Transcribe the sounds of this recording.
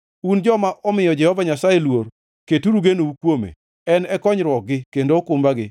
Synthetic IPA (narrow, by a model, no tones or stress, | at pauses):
und͡ʒɔmaʔɔmɪjɔd͡ʒɛhɔvaɲasajelwor | ketuɾuɡenoukwomḛ | ɛnɛkɔɲɾwɔk̚ɡɪkendokʊmbaɡɪ